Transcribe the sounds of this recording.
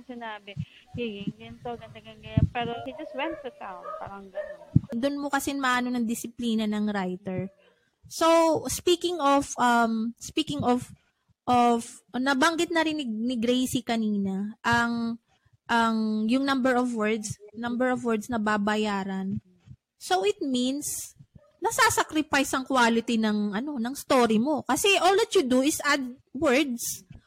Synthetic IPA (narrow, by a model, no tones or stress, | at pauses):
sɪnaːbɛ | hiɡiŋɡɐnsoɡɐnd̪ɐɡɐŋɡɐjanpɛːɾohid͡ʒɐst̪̚wɛnt̪ːut̪awnpa̰ɾɐŋɡɐnd̪ʊnmokɐsɛnmɐʔaːno̞nɐŋd̪ɪsɪpliːnɐnɐŋɾajt̪ɛɹ | sospiːkɪŋofʔɐmspiːkɪŋof | ʔof | nɐbɐŋɡɪt̪̚nɐɾɪnːɪnɪɡɾejsikɐniːnɐʔɐŋ | ʔɐŋjʊŋnɐmbɛɹɔvwɛɹd̪snɐmbɛɹɔvwɛɹd̪snɐbabɐjaːɾɐn | so̞wʔɪt̪̚mins | nɐsasakɾɪpajsɐŋkwaːlɪt̪inɐŋʔɐno̞nɐŋst̪oːɾimo̞kɐsɛʔold̪ɐt̪̚jud̪uɪsʔad̪̚wɛɹd̪s